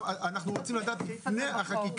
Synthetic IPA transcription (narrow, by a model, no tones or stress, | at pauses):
anaχnuʁot͡simlad̪aːt̪lifneaχakik